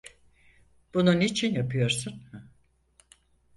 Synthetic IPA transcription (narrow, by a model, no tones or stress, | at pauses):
b̥ununit͡ʃʰinjapʰɯjo̞ɾsun